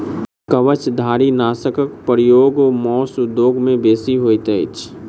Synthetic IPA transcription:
kəʋət͡ʃd̪ʱaːɾinaːsəkəkpəɾijoːɡomɔːsʊd̪joːɡmẽbeːsiɦoːjt̪əɪt͡ʃʰ

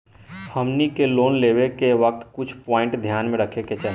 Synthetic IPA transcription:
hɐmnikeloːnleːʋekeʋɐk̚t̪kʊt͡ʃʰpɔ̃ːɪ̃ɳʈd̪ʱjaːnmẽɾəkʰeket͡ʃə

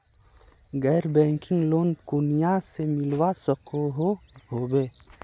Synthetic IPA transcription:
ɡɛːɾbɛ̃ːŋkɪ̃ŋɡloːnkʊnijasemɪlwasəqʰoɦoɦoːbeː

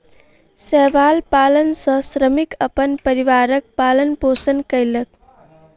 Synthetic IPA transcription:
sɛʋalpalənsə̃sɾəmikəpənpəɾiʋaɾək̚palənposənkəjlək

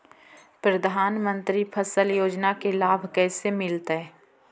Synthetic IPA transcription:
pɾɐd̪ʱaːnmə̃nt̪ɾipʰəsəljoːd͡ʒnakelaːbʱkɛːsemɪlt̪ɦɛː

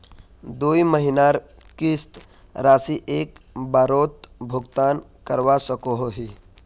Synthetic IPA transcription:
d̪uiməɦinaɾ | kist̪ | ɾaːsiʔeːkbaɾoːt̪̚bʱʊɡt̪aːnkəɾʋasəkoɦoɦi

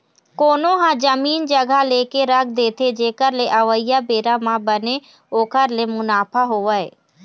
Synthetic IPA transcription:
koːnõɦãd͡ʒəmiːnd͡ʒəɡʱaleːkeɾəɡ̚d̪eːt̪ʰed͡ʒeːkəɾleʔəʋəɪjabeːɾamãbəne | oːkəɾlemʊnaːpʰaɦoːʋəeː

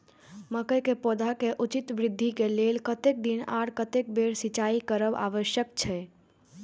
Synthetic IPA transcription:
məkəjkepod̪ʱakeʔut͡ʃit̪bɾid̪ʱːikelelkət̪ek̚d̪inaɽkət̪ek̚beɽsit͡ʃaikəɾəba̰ʋəʃjəkt͡ʃʰɛ

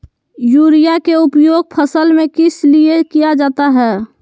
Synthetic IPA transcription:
juːɾijakeʊpjoːɡ̚pʰəsəlmẽkɪsliekijad͡ʒaːt̪aɦɛː

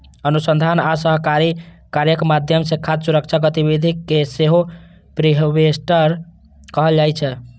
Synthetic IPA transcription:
ənusənd̪ʱanasəɦkaɾi | kaɾjəkmad̪ʱjəmsekʰːat̪suɾək̚t͡ʃʰaɡət̪iβid̪ʱikːeseɦo | pɾiɦbesʈəɾ | kəɦəld͡ʒajt͡ʃʰɛ

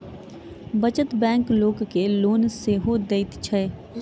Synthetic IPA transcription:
bət͡ʃət̪bɛ̃ːŋkloːɡkeloːnseɦod̪eɪt̪t͡ʃʰə

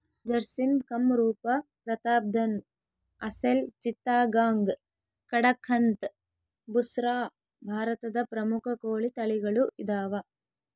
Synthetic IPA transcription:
d͡ʒɐɾsinkɐmɾuːpɐpɾɐt̪aːb̚d̪ʱɐn | ɐselt͡ʃit̪ːaːɡaːŋɡ | kɐɽɐkʰːɐnt̪ | busɾaː | bʱaːɾɐt̪ɐd̪ɐpɾɐmukʰɐkoːɭit̪ɐɭiɡɐɭuʔid̪aːʋɐ

